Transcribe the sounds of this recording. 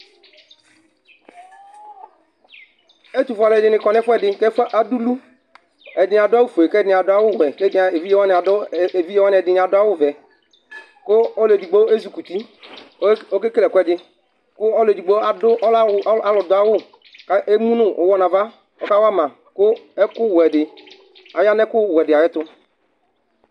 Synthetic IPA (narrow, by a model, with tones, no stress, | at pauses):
e˦t̪u˨fʊ˦a˨lɛ˨dɪ˨nɪ˨kɔ˨nɛ˦fʊ˦ɛ˨dɪ˨kɛ˦fʔa˨du˦lu˦ | ɛ˨dɪ˨a˨dʊ˦a˦wu˦fo˨e˨kɛ˦nɪ˨a˨dʊ˦a˦wʊ˦˨wɛ˨ke˦de˨vi˦je˦wa˦nɪ˨a˨dvi˦jɛ˦wa˦nɪ˨ɛ˨dɪ˨n˨a˨dʊ˦a˦wʊ˦˨vɛ˨ | kʊ˦ɔ˦le˨d͡ʒi˨ɡ͡bo˦e˦zu˨ku˨t̪i˦ | o˦ke˦ke˦lɛ˨kʊ˦ɛ˨dɪ˨ | kʊ˦ɔ˦le˨di˨ɡ͡bo˦a˨dʊ˦ɔ˦la˦lɔ˨dʊ˨˦a˦wʊ˦˨ | ka˦ʔe˦mũ˦nʊ˦ʔo˨˦wɔ˦na˨va˦ | ɔ̰˦ka˦wa˦mã˨ | kʊ˦ɛ˦kʊ˦˨wɛ˨dɪ˨ | a˨ja˦nɛ˦kʊ˦˨wɛ˨dɪ˨a˨jɛ˦t̪ʊ˦